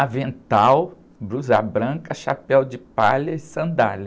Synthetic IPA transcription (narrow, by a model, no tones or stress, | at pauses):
ɐvẽnt̪aw | bɾuzabɾɐ̃kɐʃapɛwd͡ʒɪpaʎɐɪsɐ̃nd̪aʎɐ